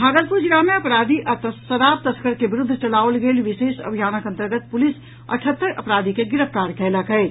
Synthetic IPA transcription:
bʱaːɡəlpud͡ʒɪɾamẽɐpɾaːd̪iʔɐt̪əsəɾaːp̚t̪ɐskəɾkeʋɪɾʊd̪ʱːt͡ʃɐlaːʋlɡeːlʋɪʃeːʃɐ̰bʱjaːnəkə̃nt̪əɾɡət̪̚pʊlɪs | ɐ̰ʈʰət̪ːəɾʔɐ̰pɾaːd̪ʱikeɡɪɾəft̪aːɾkʰɛːlakəe

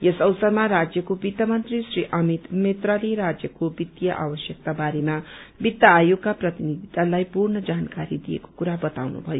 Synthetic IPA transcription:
jesʌwsʌrmarad͡zjʌkobit̪ːʌmʌnt̪risriʔʌmit̪met̪raliɾad͡zjʌkobit̪jʌʔa̰bʌsjʌk̚t̪abaɾemabit̪jaːjoɡkːaprʌt̪inid̪ʱit̪alajpurnʌd͡zankaɾid̪ijḛko̥kuɾabʌt̪awnṵbʱʌjo

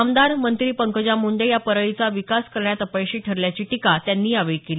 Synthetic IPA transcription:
amd̪aɾmənt̪ɾiːpəŋkəd͡ʑamuɳɖ̪ejapəɾəɭit͡saʋikaskəɾɳjat̪əpajɕiːʈʰəɾljat͡ɕiːʈikat̪janːiːaʋejkeliː

